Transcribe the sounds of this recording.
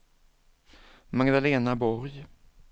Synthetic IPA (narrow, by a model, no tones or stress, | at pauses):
maɡd̪aleːnabɔɾj